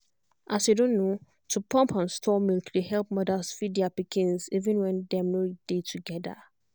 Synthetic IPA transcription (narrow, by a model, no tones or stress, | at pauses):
ʔasjudõnːo | tʰupʰɔ̃mpʰãnstʰɔmilkdehɛlp̚mɔdasfidiapikʰĩnsivĩnwɛ̃ndɛmɛɹid̥etʰuɡɛda̰